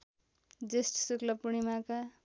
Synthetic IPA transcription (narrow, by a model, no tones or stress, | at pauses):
d͡zesʈsuklʌpuɽ̃imaka